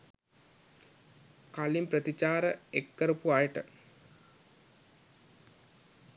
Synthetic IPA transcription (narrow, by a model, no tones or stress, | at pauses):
kalimpɾət̪it͡ʃaːɾəekːəɾupuajʈə